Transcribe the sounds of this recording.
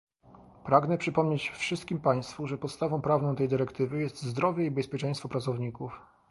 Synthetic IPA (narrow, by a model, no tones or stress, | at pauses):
pɾaɡnɛpʂɘpɔmɲet͡ɕfʂɘst̪̚kʲimpaj̃st̪fuʐɛpɔt̪st̪avɔ̃w̃pɾavnɔ̃w̃t̪ɛjd̪ɘɾɛkt̪ɘvɘjɛst̪zd̪ɾɔvʲjɛibɛspʲjɛt͡ʂɛ̃j̃st̪fɔpɾat̪sɔvɲikuf